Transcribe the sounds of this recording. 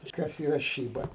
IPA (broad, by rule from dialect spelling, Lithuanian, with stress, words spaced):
ˈkɐs iːˈrɐ ˈʃʲiːbɐ